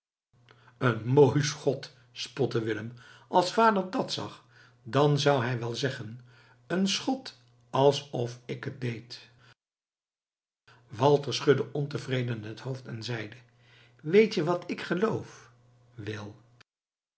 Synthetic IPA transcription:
ənmojsχɔt | spɔtəʋɪləmʔɑlˠsfaːdəɹdɑtsɑ̰χ | dɑnzʌwɦɛjʋɛlˠzɛχən | ənsχɔt | ɑlˠsɔfɪkɦət̚dejt | ʋɑlˠtəɹsχɵdəʔɔntəvrejdənɦətɦowftɛnzɛjdə | ʋejtjəʋɑtɪkχəlowf | ʋɪlˠ

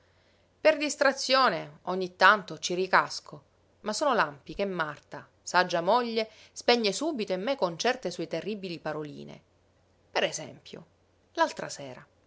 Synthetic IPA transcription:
perd̪ist̪ɾat̪sːjoːneoɲːit̪ːant̪ot͡ʃirikasko | masoːnolampikemːart̪a | sad͡ʒːamoʎːe | spɛɲːesuːbit̪oimːekont͡ʃɛrt̪esuet̪erːibilipaɾolḭːnḛ | peɾezɛ̰mpjo̰ | lalt̪ɾasɛːɾa

